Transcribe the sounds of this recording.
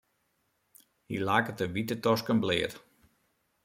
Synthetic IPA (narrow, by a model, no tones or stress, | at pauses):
hḭlaːkətəʋitətɔskənblɪət